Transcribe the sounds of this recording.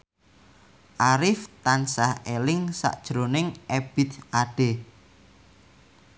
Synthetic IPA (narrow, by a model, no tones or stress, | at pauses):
ʔaɾɪft̪ansahelɪŋsa̰ʔd̥ʒ̥ɾonɪŋʔeb̥it̪ʔaɖ̥e